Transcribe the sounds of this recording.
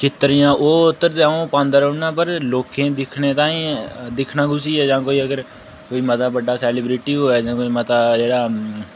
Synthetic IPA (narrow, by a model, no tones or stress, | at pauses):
kɪt̪ːəɾijãːʔoːʊt̪ːəɾd̪aõːpãːnd̪əɾoːnaːpəɾloːkẽːd̪ɪkʰneːt̪ãːĩːd̪ɪkʰnãːɡʊsiːɛːd͡ʒãːkoːiːəɡəɾ | koːiːmət̪aːbəɖaːsɛːlɪːbɾɪʈiːɦoːɛːd͡ʒãːkoːiːmət̪aːd͡ʒeːɽaː